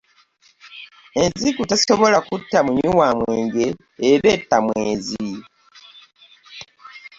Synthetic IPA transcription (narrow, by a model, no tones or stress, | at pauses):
enzikutaso̞βo̞lakutːamuɲiwaːmweːŋɡe̞ː | βeːtːamweːnzi